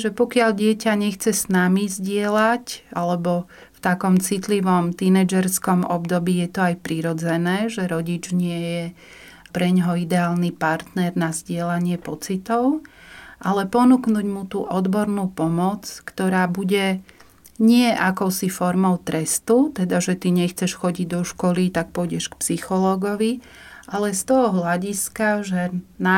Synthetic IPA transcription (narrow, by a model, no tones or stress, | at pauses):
ʒɛpɔkɪaʎɟɪɛcaɲɛxt͡sɛsnamizɟɪɛlacalɛbɔft̪akɔmt͡sit̪liʋɔmt̪inɛd͡ʒɛɾskɔmɔ̰bd̪ɔbiːjɛt̪ɔajpɾiɾɔd͡zɛnɛːʒɛɾɔɟid͡ʒɲɪɛjɛ | pɾɛɲɦɔid̪ɛaːlnipaɾt̪nɛɾnazɟɪɛlaɲɪɛpɔt͡sit̪ɔʊʔalɛpɔnuknuːɟmut̪uːʔɔd̪bɔɾnupɔmɔt͡skt̪ɔɾaːbuɟɛ | ɲɪɛʔakɔʊsifɔɾmɔʊt̪ɾɛst̪ut̪ɛd̪aʒɛt̪iɲɛxt͡sɛʃxɔɟiɟd̪ɔʃkɔlit̪ak̚pɔjɟɛʃkpsixɔlɔːɡɔʋi | ʔalɛst̪ɔɦɔɦlaɟiskaʒɛna